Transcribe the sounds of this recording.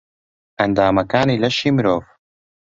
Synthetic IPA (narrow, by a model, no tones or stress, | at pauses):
ʔɐnd̪aːmɐkaːniːlɐʃiːmɨɾoːv